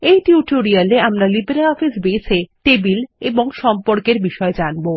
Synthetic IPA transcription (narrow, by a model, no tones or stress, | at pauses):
ejʈiuʈoɾialeamɾalibeɾeɔfisbeːsʰeʈebileboŋʃɔmpoɾkeɾbiʃɔed͡ʑanbo